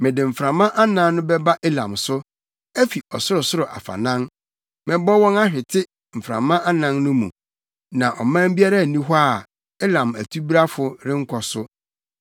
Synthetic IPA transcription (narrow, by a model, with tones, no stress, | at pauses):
mɪ̃˨dɪ˨m̩˨fɾã˨mã˦ʔa˦nã˦nnʊ̃˦bɛ˦ba˦ʔɛ˦lã̰˨msʊ˦ | æ˦fi˨ɔ˨sʊ˦ɾʊ˨sʊ˦ɾʊ˨ʔa̰˨fa̰˨nã˦ŋ | mɪ̃˨bɔ˦wɔ̃˦na˦ɕᶣɪ˨tʰɪ˦ | m̩˨fɾã̰˨mã˦ʔa˦nã˦nnʊ̃˦mũ˨ | nã˨ʔɔ˨mã˦m̩˦bi˦a˦ɾa˦˨nĩ˦ɦa˦˨ | ɛ˦lã˨mæ˨tʰu˦bi˦ɾa˦fʊ˨ɾɪ˦ŋ̩˦kʷʰɔ˨sʊ˦